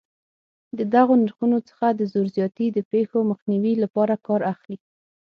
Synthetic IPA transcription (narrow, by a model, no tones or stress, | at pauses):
d̪əd̪aɣonaɾxunot͡sə̥xad̪əzoɾzjɑt̪id̪əpexoməxniwilapɑɾakɑɾaxli